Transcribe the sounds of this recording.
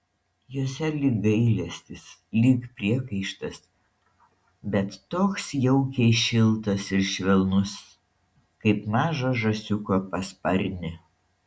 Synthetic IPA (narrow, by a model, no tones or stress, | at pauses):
joːsʲɛlʲɪk̚ɡɐɪlʲɛsʲt̪ʲɪslʲikpʲɾʲiɛkɐɪʃt̪ɐs | bʲɛt̪ːoːksjɛʊkʲɛːʃʲɪlˠt̪ɐsɪɾʃʲʋʲɛlˠnʊs | kɐɪpmɑːʒɐʒɐsʲʊkoːpɐspɐɾʲnʲɪ